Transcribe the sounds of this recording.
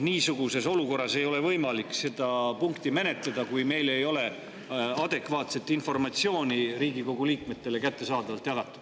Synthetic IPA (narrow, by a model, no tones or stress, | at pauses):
niːsuɡ̥use̞so̞luko̞rːɑse̞jo̞le̞vɤjmɑlikse̞d̪̥ɑpuŋkt̪ime̞net̪led̪ɑkujme̞jle̞jo̞le̞ | ɑd̪̥e̞kvɑːt̪se̞t̪ːˑinfo̞rmɑt̪sio̞ːnʲiɾiːɡiko̞ɡ̥uliːkme̞t̪ːe̞le̞kæt̪ːe̞sɑːd̪ɑvɑlt̪ˑjɑkɑt̪ːˑu̥